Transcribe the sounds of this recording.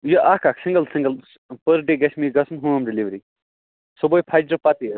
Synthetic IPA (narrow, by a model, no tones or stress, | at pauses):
jɐʔakaksiŋɡɐlsiŋɡəl | pəɾɖeɡɐsmiɡɐsʰunɦuɐmɖiliʋɾi | sobojpʰajd͡ʒɾɐpat̪i